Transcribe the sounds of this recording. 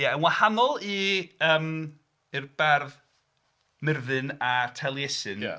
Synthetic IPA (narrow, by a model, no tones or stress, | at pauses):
jaənwahanɔlˠiəːm | ɨrb̥ɛrð | mɪrðɨnatʰɛlˠjɛsɨnj̰